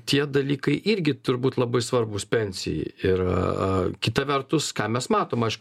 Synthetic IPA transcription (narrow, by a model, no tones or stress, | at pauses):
t̪ʲiɛd̪ɐlʲiːkɐɪʔɪɾʲɡʲɪt̪ʊɾʲbuːt̪ʲlˠɐbɐɪsʋɐrbʊspʲɛnʲsʲɪ̰jɛ̰ɪɪɾ | kʲɪt̪ɐʋʲɛrt̪ʊskɑːmʲɛsmɑːt̪oːmɐɪʃk